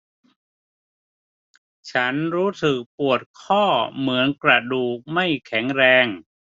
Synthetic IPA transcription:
t͡ɕʰa˦˥nɾuː˦˥sɯ˨˩k̚pu˨˩ət̪̚kʰɔː˥˩mɯ˩˦ənkɾa˧duː˨˩k̚ma˥˩jkʰɛ˩˦ŋɾɛː˧ŋ

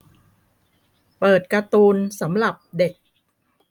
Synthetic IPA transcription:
pɤː˨˩t̪̚ka˧t̪uː˧nsa˩˦mɾa˨˩p̚de˨˩k̚

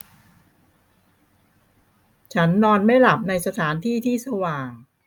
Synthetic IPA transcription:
t͡ɕʰa˦˥nːɔː˧nma˥˩jla˨˩p̚na˧jsa˧t̪ʰaː˩˦nt̪ʰiː˥˩t̪ʰiː˥˩sa˧waː˨˩ŋ

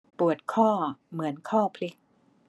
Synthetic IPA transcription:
pu˨˩ət̪̚kʰɔː˥˩mɯ˩˦ənkʰɔː˥˩pʰli˦˥k̚

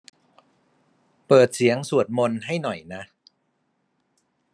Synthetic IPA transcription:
pɤː˨˩t̪̚si˩˦əŋsu˨˩ət̪̚mo˧nɦa˥˩jnɔ˨˩jna˦˥

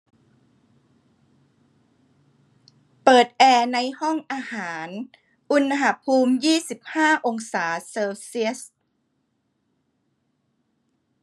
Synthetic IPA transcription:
pɤː˨˩t̪̚ʔɛː˧na˧jhɔ˥˩ŋʔaː˧haː˩˦n | ʔu˧n˧ɦa˧˥pʰuː˧mjiː˥˩si˨˩p̚haː˥˩ʔo˧ŋsaː˩˦sɤː˧wsi˦˥ə˦s

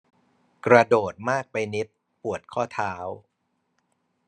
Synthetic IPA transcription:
kɾa˧doː˨˩t̪̚maː˥˩k̚pa˧jni˦˥t̪̚ | pu˨˩ət̪̚kʰɔː˥˩t̪ʰaː˦˥w

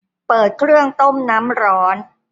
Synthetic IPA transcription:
pɤː˨˩t̪̚kʰɾɯ˥˩əŋt̪o˥˩mna˦˥mɾɔː˦˥n

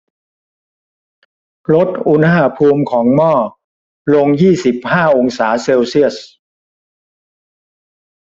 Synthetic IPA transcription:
lo˦˥t̪̚ʔu˧nha˧pʰuː˧mkʰɔː˩˦ŋmɔː˥˩ | lo˧ŋjiː˥˩si˨˩p̚haː˥˩ʔo˧ŋsaː˩˦seː˧wsi˥˩əs̚

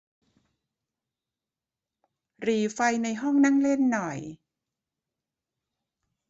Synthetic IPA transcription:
ɾiː˨˩fa˧jna˧jɦɔ˥˩ŋna˥˩˨ŋle˥˩nːɔ˨˩j

